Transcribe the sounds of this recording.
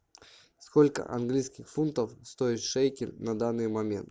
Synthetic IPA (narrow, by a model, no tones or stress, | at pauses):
skolʲkə̰ʔɐ̰nɡlʲijskʲɪxfunt̪əfst̪o̞ɪt̪ʂejkʲɪlʲnɐd̪anːɨjmɐmʲe̞̰nt̪